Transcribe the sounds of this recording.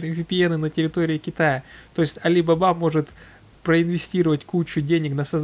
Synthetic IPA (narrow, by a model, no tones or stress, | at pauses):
nɨvʲɪpʲɪɛnɨnətʲɪɾʲɪt̪o̞ɾʲɪɪkʲɪt̪ajət̪o̞jɪsʲtʲɐlʲibɐbamo̞ʐɨt̪ | pɾəɪnvʲɪsʲtʲiɾəvətʲkut͡ɕːʊdʲenʲɪknəsɐz